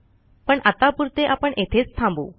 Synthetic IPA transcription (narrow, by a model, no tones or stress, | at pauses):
pəɳat̪apuɾt̪eʔapəɳʔet̪ʰet͡st̪ʰãmbṵː